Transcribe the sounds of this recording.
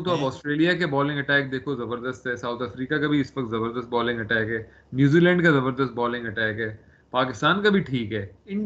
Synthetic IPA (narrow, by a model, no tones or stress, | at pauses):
t̪oɐpɔːsʈɾeːlijakebɔːlɪ̃ŋɡɐʈɛːk̚d̪eːkʰozɐbəɾd̪əst̪ɦɛːsaːʊt̪ʰəfɾiːkakɐbʱiɪsʋɐk̚t̪zɐbəɾd̪əst̪̚bɔːlɪ̃ŋɡɐʈɛːkɦɛː | njuːziːlɛ̃ːɳɖkazɐbəɾd̪əst̪̚bɔːlɪ̃ŋɡɐʈɛːkɦɛː | paːkɪst̪aːnkabʱiʈʰiːkɦɛːɪ